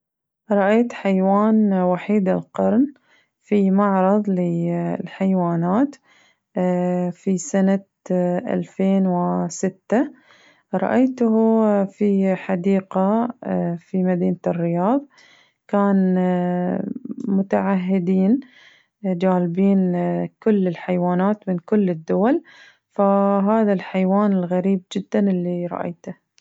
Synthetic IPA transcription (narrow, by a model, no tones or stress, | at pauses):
ɾˤɑʔaːt̪ħajwaːnwaħiːd̪ɪlqɑɾn | fimaʕɾˤɑðˤlɪlħajwaːnaːt̪ | fisana | ʔa̰lfeːnwɪsɪt̪ːa | ɾˤɑ̰ʔajt̪hfiħad̪iːqa | fimad̪iːnat̪ɪrːɪjɑːðˤ | kaːn | mʊt̪aʕaɦːɪd̪iːn | d͡ʒaːlbiːnkʊlːɪlħajwaːnaːt̪mɪnkʊlːɪd̪ːʊwal | faɦaːðalħajwaːnɪlɣaɾiːb̚d͡ʒɪd̪ːanɪlːiɾˤɑ̰ʔa̰jt̪ah